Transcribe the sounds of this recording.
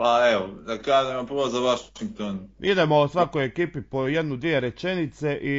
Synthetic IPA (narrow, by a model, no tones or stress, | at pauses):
paeʋod̪akaːʒemapɾʋozaʋaʃiŋk̚t̪onid̪e̞mosʋakojekiːpipojed̪nud̪ʋije̞ɾe̞t͡ʃe̞nit̪se̞ʔi